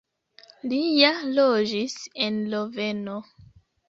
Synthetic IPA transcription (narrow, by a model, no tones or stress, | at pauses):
lijalod͡ʒisenloveno